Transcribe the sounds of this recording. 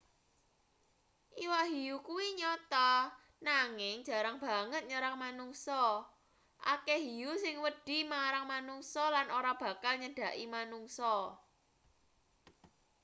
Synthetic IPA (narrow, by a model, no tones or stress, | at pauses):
ʔiwaɦijukuwiɲɔt̪ɔ | naŋɪŋd̥ʒ̥ä̤ɾaŋb̥a̤ŋət̪̚ɲəɾaŋmanuŋsɔ | ʔa̰keɦijusɪŋwəɖ̥i̤maɾaŋmanuŋsɔlanoɾab̥ä̤kalɲəɖ̥ä̤ʔimanuŋsɔ